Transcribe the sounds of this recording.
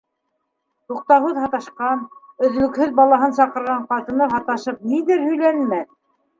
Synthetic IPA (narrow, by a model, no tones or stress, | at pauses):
t̪uq̚t̪ɑhɤðhɑt̪ɑʃqɑn | ɵ̆ðlɵ̆khɵðbɑlˠɑɦɤnsɑqɤ̆ɾʁɑɴqɑt̪ɤ̆nɤɦɑt̪ɑʃɤp̚niðɘɾhɵ̆jlænmæθ